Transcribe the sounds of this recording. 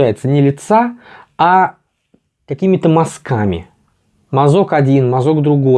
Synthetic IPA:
æjɪt̪sənʲɪlʲɪt̪saa | kɐkʲimʲɪt̪əmɐskamʲɪ̰ | mɐzo̞kɐdʲinmɐzo̞ɡd̪ɾʊɡo̞

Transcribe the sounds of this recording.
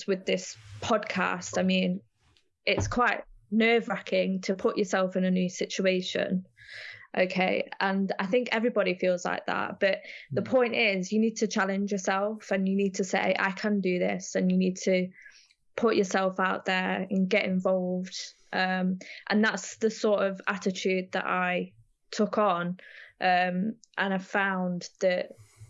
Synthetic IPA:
wɪðɪspʰɒd̚kʰa̰staɪmĩn | ʔɪtskʰw̥aɪʔnɜːvɹakʰɪ̃ŋtʰəpʰʊt͡ʃəsɛlˠfɪ̃nənjʉːsɪt͡ʃueɪʃə̰̃n | ʔo̰ʊkʰeɪə̃naɪθɪ̃ŋkɛvɹibɒɾifiːlˠz̥la̰ɪk̚ða̰ʔ̚b̥ʌʔðəpʰɔ̃ɪ̃ntɪzjəniːd̚tʰət͡ʃʰalɪ̃nd͡ʒjə˞sɛlˠfə̃njəniːd̚tʰəsḛɪʔa̰ɪkʰə̃ndəðɪsə̃njəniːd̚tʰə | pʰʊʔə˞sɛlˠfaʊʔðə˞ə̃nɡɛɾɪ̃ɱvɒlˠvd̥ʔʌ̃mʔə̃nðatsðəsɔɹtəva̰tɪt͡ʃʰʉːd̪̚ðə̰ʔa̰ɪ | tʰʊkn̩ʔʌ̃mʔə̃naɪv̥fãʊ̃nðəʔ

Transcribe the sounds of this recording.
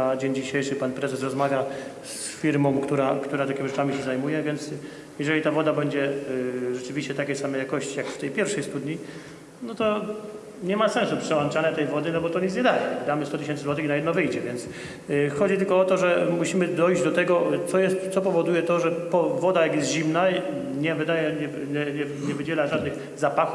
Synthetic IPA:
ad͡ʑeɲd͡ʑiɕejʂɘpanpɾɛzɛsɾɔzmavʲja | s | fʲiɾmɔ̃w̃kt̪uɾakt̪uɾat̪akʲimʲiʐɛt͡ʂamʲiɕɛzajmujɛvʲjɛnt̪s | jɛʐɛlʲit̪avɔd̪abɛɲd͡ʑɛʐɛt͡ʂɘvʲiɕt͡ɕɛt̪akʲɛjsamɛjakɔɕt͡ɕijakft̪ɛjpʲjɛɾfʂɛjst̪ud̪ɲi | nɔt̪ɔ | ɲɛmasɛ̃ñsupʂɛwant͡ʂanɛt̪ɛjvɔd̪ɘnɔbɔt̪ɔɲit̪zɲɛd̪ajɛd̪amɘst̪ɔt̪ɨɕ̬ɛnsɨzwɔt̪ɨxnajɛd̪nɔvɘjd͡ʑɛvʲjɛnt̪s | xɔd͡ʑit̪ɘlkɔɔt̪ɔʐɛmuɕimɘd̪ɔjʑd͡ʑd̪ɔt̪ɛɡɔt̪sɔjɛst̪t̪sɔpɔvɔd̪ujɛt̪ɔʐɛpɔvɔd̪ajakjɛst̪ʑimna | ɲɛvɘd̪ajɛɲɛ | ɲɛɲɛ | ɲɛvɘd͡ʑɛlaʐad̪nɘɣ | zapaxu

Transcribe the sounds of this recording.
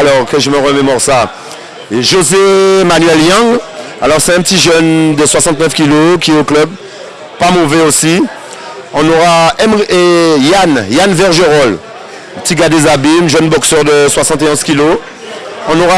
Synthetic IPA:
alɔʁkəʒəməʁəmemɔʁsa | ʒozemanɥɛljɑ̃ŋ | alɔʁsɛɛ̃pət̪iʒœnd̪əswasɑ̃t̪nœfkʲilokʲiɛoklœb | pamovɛosi | ɔ̃noʁaɛmiejanjanvɛʁʒeʁɔl | pət̪iɡad̪ezabimʒœnbɔksœʁd̪əswasɑ̃t̪eɔ̃zkʲilo | ɔ̃noʁa

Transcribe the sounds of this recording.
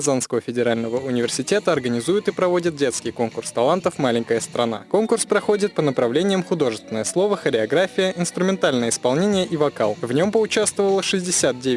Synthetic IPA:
zanskəvəfʲɪdʲɪɾalʲnəvəʊnʲɪvʲɪrsʲɪtʲet̪əɐrɡənʲɪzujɪt̪ɨpɾɐvo̞dʲɪt̪̚dʲe̞t̪skʲɪjko̞nkʊrst̪ɐlˠant̪əfmalʲɪŋʲkəjəst̪ɾɐna̰ko̞nkʊrspɾɐxo̞dʲɪt̪̚pənəpɾɐvlʲenʲɪjəmxʊd̪o̞ʐɨst̪vʲɪnəjəslˠo̞vəxəɾʲɪɐɡɾafʲɪjəʔɪnst̪ɾʊmʲɪnt̪alʲnəjəɪspɐlˠnʲenʲɪjəʔivɐkalˠvnʲo̞mpəʊt͡ɕast̪vəvəlˠəʂɨzʲdʲɪsʲat̪̚dʲe

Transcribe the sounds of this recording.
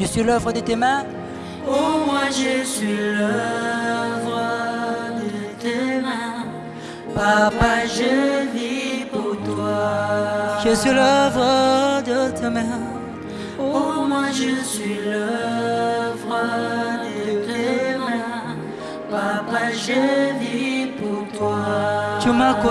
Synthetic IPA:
ʒəsɥilœvʁəd̪ət̪emɛ̃ | omwɛ̃ʒəsɥilə | vʁəd̪ət̪emɛ̃ | papaʒəniput̪wa | ʒəsɥilœvʁad̪ət̪ʰəmɛ̃ | omwɛ̃ʒəsɥilə | vʁad̪ət̪ɛmɛ̃ | papaʒəlipuʁt̪wat̪ymak

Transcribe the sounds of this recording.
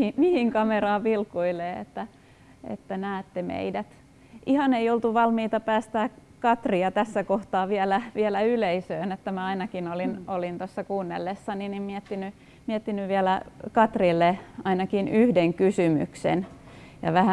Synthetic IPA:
mihiŋkɑmerɑːʋilkuileːḛt̪ːæ | ḛt̪ːænæːt̪ːemḛidæt̪ | ʔihɑneiolt̪uʋɑlmiːt̪ɑpæːst̪æː | kɑt̪riɑt̪æsːækoht̪ɑːʋiælæʋiælæyleisøːnet̪ːæmæɑinɑkinolinolint̪osːɑkuːnːḛlːesːɑninimmiɛt̪ːiny | miɛt̪ːinyʋʋiælækɑt̪rilːeɑinɑkinyhdeŋkysymy̰ksḛnjɑ̰ʋæhæ

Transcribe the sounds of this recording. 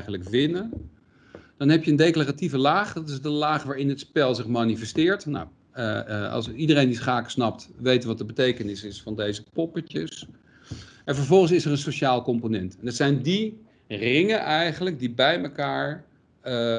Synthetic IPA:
χələkʋɪnən | d̥ɑnɦɛpjəndejklarativəlaːχdɑtɪsdəlaːχʋaːɹɪnɦətspɛlˠzɪχmaːnifɛstɪːɹtna̰w | ɑ̰sidəɾejndisχaːksnɑp̚tʋejtʋɑtəbətejkənɪsɪsfɑndejzəpɔpətəs | ɛnvəɹvɔlˠχənsɪsərənsoʃaːlˠkɔmponɛntɛndɑtsɛjndi | rɪŋənʔɛjχənlək̚dibɛjməkaːɹ

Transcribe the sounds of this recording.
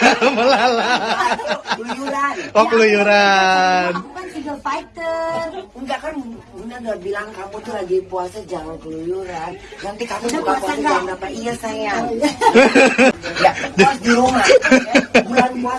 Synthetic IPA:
məlala | lujuɾawaklujuɾanukansivəfait̪ərŋɡaʔkanɡunaŋɡaʔbilaŋkamut̪uɾaɡipuasad͡ʒaŋaklujuɾannant̪ikamuukasaaaaənapaiəsajaŋ | jad͡ʒad͡ʒuɾuŋa | buanpua

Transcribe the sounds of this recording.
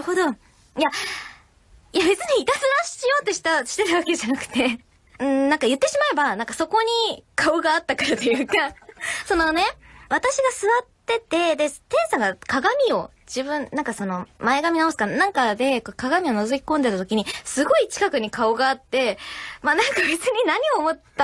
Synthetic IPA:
ɾɯho̞d̪o̞ | ija | jabe̞t͡sɨɲ̟iːt̪asɨɾãɕijo̞ːt̪ːoɕi̥t̪aɕi̥t̪e̞t̪aβ̞ake̞ʑanakɯ̟̥t̪e̞ | ɯ̟̃ɴnãŋkajɯ̟t̪ːe̞ɕimae̞banãŋkaso̞ko̞ɲ̟ikaoɡaːt̪ːakaɾat̪o̞jɯ̟ːkaso̞no̞ne̞βat̪aɕiɡasɨβat̪ːe̞t̪e̞d̪e̞t̪ẽ̞ɰ̃sãŋɡakaɡamʲio̞ | d͡ʑibɯ̟̃nnãŋkaso̞no̞mae̞ɡamʲinaosɨ̥kanãŋkad̪e̞kokaɡamʲio̞nozokʲi̥kõ̞nd̪e̞t̪at̪o̞kʲiɲ̟isɨɡo̞it͡ɕi̥kakɯ̟ɲ̟ikaoɡaːt̪ːe̞manãŋkabe̞t͡sɨɲ̟inaɲ̟io̞mo̞t̪ːa

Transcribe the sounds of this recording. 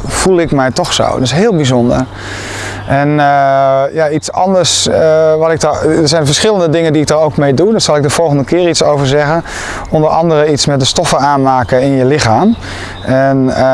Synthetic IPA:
fulˠɪkmɛjtɔxso̰wdəsɦɪːlˠbizɔndə̰r | ʔɛn | jaisɑ̰ndəɹsʋɔtɪk̚dɔdəɹzɛjnfəɹsχɪləndədɪŋəndiɪk̚dəɾowkmejdudɔtsɑlˠɪk̚dəfɔlˠɣəndəkɪːritsowvəɹzɛɣən | ɔndəɾɑ̰ndəɾəitsmɛt̚dəstɔfəaːnmaːkəɪnjəlɪxaːm | ʔɛn

